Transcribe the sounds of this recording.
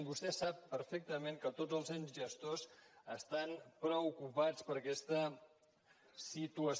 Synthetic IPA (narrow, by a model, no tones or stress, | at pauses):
bust̪ɛsapːəɾfek̚t̪əmeŋkət̪od͡zəlˠzanzʒəst̪ozəst̪anpɾəukupat͡spəɾəkɛst̪ə | sit̪uəs